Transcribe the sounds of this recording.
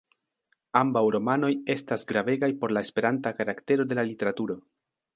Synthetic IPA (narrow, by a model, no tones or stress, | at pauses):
ambawɾo̞mano̞je̞stasɡɾave̞ɡajpo̞ɾlae̞spe̞ɾantakaɾakte̞ɾo̞de̞lalite̞ɾatuɾo̞